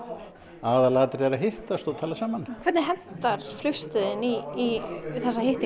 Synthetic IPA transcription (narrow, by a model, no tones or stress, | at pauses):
aːðalaːt̪ɾɛɾaɦɪht̪ast̪ot̪ʰaːlasaːmankʰvɛɾt̪nɾɦɛnt̪aɾ̥flʏst̪ɪðɪniː | θɛsːaɦɪht̪i